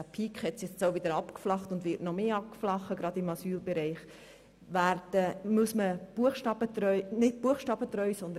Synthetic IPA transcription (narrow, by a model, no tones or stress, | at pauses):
æpʰiːkχhɛtsjɛt͡st͡soʊvɪd̪əɾɑpkflɑχtʊndʋɪɾtnɔmeːɑp̚kflɑχəɡɾɑdɪmɑsyːlbɛɾɛɪχ | ʋæːɾd̥əmuəsməb̥uəχʃtɑːb̥ət̪ɾœʏnɪt̚buəχʃtɑːbət̪ɾœʏsɔnd̪ən